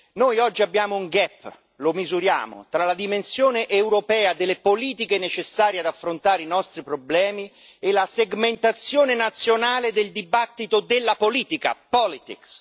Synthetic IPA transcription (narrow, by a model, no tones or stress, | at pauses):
nojɔd͡ʒːiabːjaːmouŋɡɛpː | lomizuɾja̰ːmo̰t̪ɾalad̪imensjoːneʔeuwɾopɛːad̪elːepoliːt̪ikenet͡ʃesːaːɾjead̪afːɾont̪aːɾeinɔst̪ɾipɾoblɛːmi | elaseɡment̪at̪sːjoːnenat̪sːjonaːled̪eld̪ibat̪ːit̪od̪elːapoliːt̪ika̰pɔlit̪ḭks